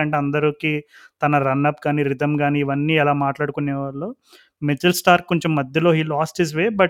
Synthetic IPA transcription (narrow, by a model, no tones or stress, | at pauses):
ɐɳʈeɐnd̪ɐɾukiːt̪ɐnɐɾɐnːɐpːɡaːniːɾid̪ɐmɡaːniːʋɐnːiːɛlaːmaːʈlaːɽukunːeːʋaːɭlo̞ː | med͡ʒɐlsʈaːɾkoɲt͡ʃemːɐd̪jɐloːɦiːlaːsʈɦiz̬ʋeːbɐʈ